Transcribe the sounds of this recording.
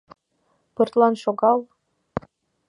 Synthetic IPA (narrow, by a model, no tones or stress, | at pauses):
pɯrt̪lˠɑnʃoɡɑlˠ